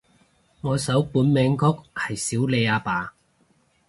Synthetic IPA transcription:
ŋɔː˨˧sɐ˨˥wpuː˨˥nmɛː˨˧ŋkʰʊ˥k̚hɐ˨jsiː˨˥wle˨˧jaː˧paː˨˧

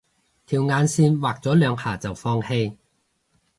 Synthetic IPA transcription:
t̪ʰiː˨˩wŋaː˨˧nsiː˧nwaː˨k̚t͡sɔː˨˥lœː˨˧˥ŋhaː˨˩t͡sɐ˨wfɔː˧ŋhe˧j

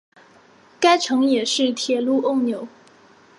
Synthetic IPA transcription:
ka˥ɪʈ͡ʂʰɤ˧˥ŋjɛ˨˩ʂɻ̩˥˩t̪ʰjɛ˨˩lu˥˧ʔo˥˩ʊnjo˨˩˦ʊ

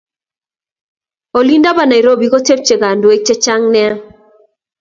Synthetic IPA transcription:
o˨li˦nda˦ba˨na˨i˨ɾo˦bi˨ko˦te˦p̚t͡ʃe˨ɡa˨ndwe˦k̚t͡ʃe˦t͡ʃa˦ŋnɛ˦

